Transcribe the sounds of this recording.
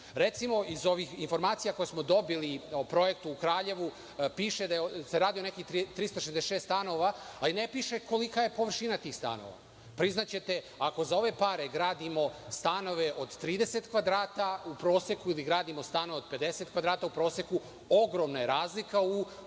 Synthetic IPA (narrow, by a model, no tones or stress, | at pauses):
ɾet̪simo̞izo̞ʋixinfo̞ɾmaːt̪sijako̞jesmo̞d̪o̞biliopɾo̞jekt̪uːkɾaːʎe̞ʋu | piːʃed̪ajeseɾaːd̪ijonekit̪it̪ɾist̪aʃezd̪eʃest̪ano̞ʋaalinepiːʃeko̞likaje̞po̞ʋr̩ʃinat̪iːxst̪a̰no̰ʋa̰ | pɾiznat͡ɕe̞t̪e | ako̞zao̞ʋe̞paɾeɡɾaːd̪imo̞st̪ano̞ʋeʔo̞d̪t̪ɾiːd̪eset̪kʋad̪ɾaːt̪aupɾo̞ːsekuiliɡɾaːd̪imo̞st̪ano̞ʋeod̪̚pe̞d̪eset̪̚kʋad̪ɾaːt̪aupɾo̞ːseku | o̞ɡɾo̞mnaje̞ɾaːzlikau